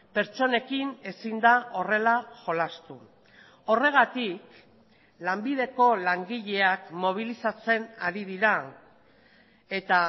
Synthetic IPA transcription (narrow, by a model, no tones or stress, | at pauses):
pe̞ɾt͡ʃo̞ne̞kine̞sind̪aʔo̞re̞laʝo̞last̪u | o̞re̞ɣ̞at̪ik | lambið̞e̞ko̞laŋɡiʎe̞akmo̞β̞ilisat͡se̞naɾið̞iɾa | e̞t̪a